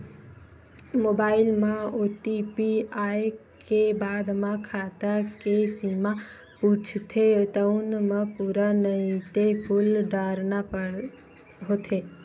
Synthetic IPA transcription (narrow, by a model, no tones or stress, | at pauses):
moːbaːɪlmãoːʈipiaːe | kebaːd̪mãkʰaːt̪akesima | puːt͡ʃʰt̪ʰet̪əʊnmãpuːɾanəĩt̪epʰʊlɖaːɾnapə | ɦoːt̪ʰeː